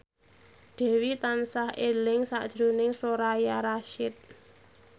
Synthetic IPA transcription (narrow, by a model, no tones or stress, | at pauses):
ɖ̥ɛ̤wit̪ansahelɪŋsa̰ʔd̥ʒ̥ɾunɪŋsoɾajaɾaʃɪt̪̚